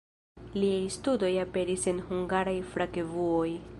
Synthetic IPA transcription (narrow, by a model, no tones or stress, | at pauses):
liajstudo̞jape̞ɾise̞nhuŋɡaɾajfɾaɡe̞vuo̞j